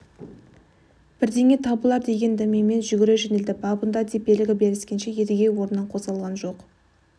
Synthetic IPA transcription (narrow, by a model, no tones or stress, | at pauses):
b̥ɪɾd̪e̞ŋʲe̞t̪ʰɑbəlˠɑɾd̪e̞ɡʲe̞nd̪æmeme̞nʒʏɡʲɪɾeʒenɪld̪ɪbɑbənd̪ɑd̪ʰepe̞lɪɡʲɪbeɾɪskʲe̞nʃejed̪ɪɡʲe̞wo̞ɾənːɑɴqʰo̞zʁɑlˠʁɑnʒo̞q